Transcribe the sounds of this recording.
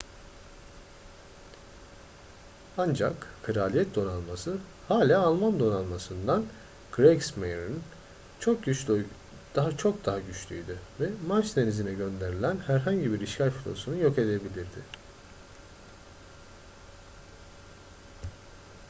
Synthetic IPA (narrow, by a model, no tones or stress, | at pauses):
and͡ʒa̰kkʰɯɾaːlʲijɛt̪̚d̪o̞nanmasɯ | haːlʲaːalˠmand̪o̞nanmasɯnd̪an | kʰɾeksmejɾin | t͡ʃʰ | d̪t͡ʃʰo̞k̚d̪aɦaɟyt͡ʃlʲy̰jd̪yvɛmat͡ʃt̪ʰenizinɛɟø̞nd̪e̞ɾilʲænhæɾɦaɲɟibiɾiʃcalʲfu̥t̪ʰo̰sunujo̞ke̞d̪e̞bilʲiɾd̪ɪ